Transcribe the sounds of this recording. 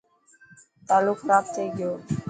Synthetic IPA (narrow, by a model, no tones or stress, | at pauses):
t̪aːluːkɾaːp̚t͡ʃəiːɡɪjoː